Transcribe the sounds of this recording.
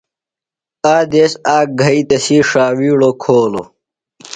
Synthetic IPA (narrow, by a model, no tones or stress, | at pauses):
aːd̪eːsaːk̚ɡʱɐit̪ɐsiʂaːwiːɽokʰoːlo̰